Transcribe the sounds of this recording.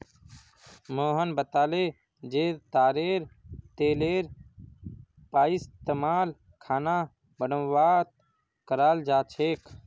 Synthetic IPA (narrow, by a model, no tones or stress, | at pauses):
moːɦənbət̪aːle | d͡ʒeːɾt̪aːɾeːɾt̪eːleːɾ | paːist̪emaːl | kʰaːna | bənəʋaːt̪̚ | kəɾaːld͡ʒaːt͡ʃʰeːkʰ